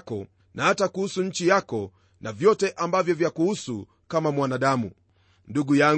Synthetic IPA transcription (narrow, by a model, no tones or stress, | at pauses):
kɔ | nahatakuhusuɲ̩t͡ʃijakɔ | navjɔtɛʔambavjɔvjakuhusu | kamamwanaɗamṵ | nduɡuja